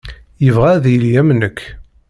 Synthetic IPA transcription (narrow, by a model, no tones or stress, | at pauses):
jəvʁæðljæmnəkʰː